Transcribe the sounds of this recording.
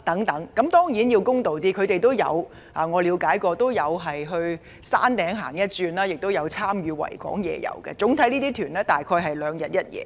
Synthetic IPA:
t̪ɐ˨˥ŋt̪ɐ˨˥ŋkɐ˨˥mt̪ɔː˥ŋjiː˨˥njiː˧wkʊ˥ŋt̪o˨wt̪iː˥kʰɵ˨˧ɥt̪e˨jt̪o˥wjɐ̰˨˧w | aː˨ŋɔː˨˧liː˨˧wkaː˨˥jkɔː˧t̪o˥wjɐ˨˧wɦɐ˨jɦɵ˧ɥ | sa̰ː˥nt̪ɛː˨˥ŋɦaː˨˩ŋjɐ˥t̚t͡ʃyː˧nlaː˥jɪ˨k̚t̪o˥wjɐ˨˧wt͡sʰaː˥mjyː˨˧wɐ̰˨˩jkɔ̰ː˨˥ŋjɛ̰ː˨˧jɐ̰˨˧wkɛ̰˧t͡sʊ˨˥ŋt̪ʰɐ˨˥jniː˥t̪iː˥t̪ʰyː˨˩nɛː˥t̪aː˨jkʰɔː˧jɦɐ˨jlœː˨˧ŋjɐ˨t̚jɐ˥t̚jɛ̰ː˨˧

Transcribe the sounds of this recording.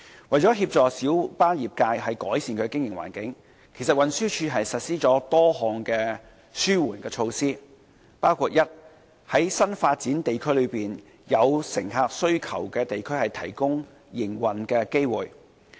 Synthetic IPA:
wɐ˨˩jt͡sɔː˨˥ɦiː˧p̚t͡sɔː˨k̚siː˨˥wpaː˥jiː˨p̚kaː˧jɦɐ˨jkɔː˨˥jsiː˨nkʰɵ˨˧˥kɪ˥ŋjɪ˨˩ŋwa̰ː˨˩nkɪ˨˥ŋ | kʰsɐ˨t̚wɐ˨nsyː˥t͡ʃʰyː˧ɦɐ˨jsɐ˨t̚siː˥t͡sɔː˨˥t̪ɔː˥ɦɔː˨˩ŋkɛː˧ | syː˥wuː˨˩nkɛː˧t͡ʃʰo˧wsiː˥ | paː˥wkʰuː˧t̚jɐ˥t̚ | hɐ˨˥jsɐ˥nfaː˧t̚t͡siː˨˥nt̪e˨jkʰɵ˥ɥlɵ˨˧ɥpiː˨n | jɐ˨˧wsɪ˨˩ŋɦaː˧k̚sɵ˥ɥkʰɐ˨˩wkɛː˧t̪e˨jkʰɵ˥ɥhɐ˨jt̪ʰɐ̰˨˩jkʊ˥ŋ | jɪ˨˩ŋwɐ˨nkɛː˧ke˥jwuː˨˩j

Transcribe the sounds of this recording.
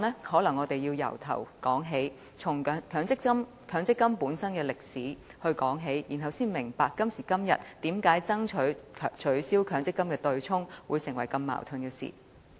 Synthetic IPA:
nlɛː˥hɔː˨˥lɐ˨˩ŋːɔː˨˧t̪e˨jiː˧wjɐ̰˨˩wt̪ʰɐ̰˨˩wkɔː˨˥ŋɦe˨˥j | t͡sʰʊ˨˩ŋ˨kʰœː˨˧˥ŋt͡sɪ˥km | kʰœː˨˧˥ŋt͡sɪ˥kːɐ˥mpuː˨˥nsɐ˥nkɛː˧lɪ˨k̚siː˨˥hɵ˧ɥkɔː˨˥ŋɦe˨˥jjiː˨˩nɦɐ˨wsiː˥nmɪ˨˩ŋpaː˨kːɐ˥msiː˨˩kɐ˥mjɐ̰˨t̚t̪iː˨˥mkaː˨˥jt͡sɐ˥ŋt͡ʃʰɵ˨˥ɥʰt͡ʃʰɵ˨˥ɥsiː˥wkʰœː˨˥ŋt͡sɪ˥kːɐ˥mkɛː˧t̪ɵ˧ɥt͡ʃʰʊ˥ŋwuː˨˧jsɪ˨˩ŋwɐ˨˩jkɐ˧mːa̰ː˨wt̪ʰɵ˨˧njiː˧sḭ˨˩

